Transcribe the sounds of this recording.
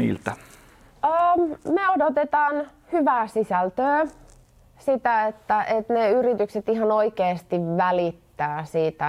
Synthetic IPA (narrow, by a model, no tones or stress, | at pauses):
ḭːlt̪æ | əːmeodot̪et̪ɑːn | hyʋæːsisælt̪øː | sit̪æet̪ːæʔet̪neyrit̪ykset̪iɦɑnoikeːst̪iʋʋælit̪ːæːsiːt̪æ